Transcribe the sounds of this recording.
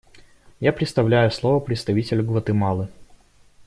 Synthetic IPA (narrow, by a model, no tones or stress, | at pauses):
japɾʲɪt̪st̪ɐvlʲæjʊslˠovəpɾʲɪt̪st̪ɐvʲitʲɪlʲɡvˠət̪ɨmɑlˠɨ